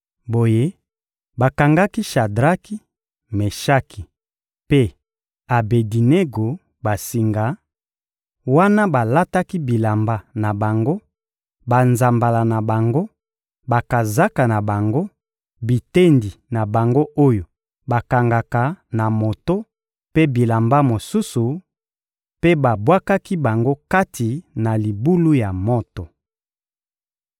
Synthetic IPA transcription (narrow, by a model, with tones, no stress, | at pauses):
bo˨je˦ | ba˨ka˨ŋɡa˦ki˦ʃa˨dʁa˦ki˦ | me˨ʃa˦ki˨ | pe˦ | a˨be˨di˨ne˦ɡo˨ | ba˨si˨ŋɡa˨˦ | wa˦na˦ba˨la˦ta˦ki˦bi˨la˨mba˨na˨ba˨ŋɡo˦ | ba˨nza˨mba˨la˨na˨ba˨ŋɡo˦ | ba˨ka˨za˦ka˨na˨ba˨ŋɡo˦ | bi˨te˦ndi˨na˨ba˨ŋɡo˦ʔo˦jo˨ | ba˨ka˨ŋɡa˨ka˨na˨mo˨to˦ | pe˦bi˨la˨mba˦mo˨su˦su˨ | pe˦ba˨bwa˦ka˦ki˦ba˨ŋɡo˦ka˦tʰi˨na˨li˨bu˦lu˦ja˨mo˦to˨